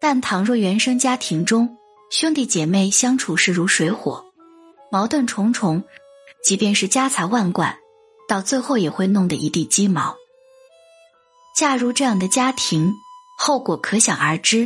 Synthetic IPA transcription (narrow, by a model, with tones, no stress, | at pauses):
t̪a˥˩nt̪ʰɑ˨˥ŋɻɔ˥˩ɥɛ˧˥nʂɤ˥ŋt͡ɕja˥t̪ʰi˧˥ŋʈ͡ʂʊ˥ŋ | ɕʊ˥ŋt̪i˥˩t͡ɕjɛ˨˩me˥˩ɪɕjɑ˥ŋʈ͡ʂʰu˨˩ʂɻ̩˥˩ɻu˧˥ʂwe˧˥ɪxwɔ̰˨˩˦ | mɑ˧˥ʊt̪wə˥˩nʈ͡ʂʰʊ˧˥ŋʈ͡ʂʰʊ˧˥ŋ | t͡ɕi˧˥pjɛ˥˧nʂɻ̩˥˩t͡ɕja˥t͡sʰa˧˥ɪwa˥˩nkwa̰˥˩n | t̪ɑ˥˧ʊt͡swe˥˧ɪxo˥˩ʊjɛ˨˩xwe˥˧ɪnʊ˥˩ŋd̪ə˩ʔi˧˥t̪i˥˩t͡ɕi˥mɑ˧˥ʊ | t͡ɕja˥˩ɻu˧˥ʈ͡ʂɤ˥˧jɑ˥˩ŋd̪ə˩t͡ɕja˥t̪ʰi˧˥ŋxo˥˩ʊkwɔ˨˩kʰɤ˧˥ɕjɑ˨˩ŋə˞˧˥ʈ͡ʂɻ̩˥